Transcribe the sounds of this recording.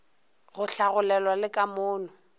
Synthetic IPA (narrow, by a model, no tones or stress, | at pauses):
ɣʊɬaɣʊlɛlwalɪkʼamʊːnʊ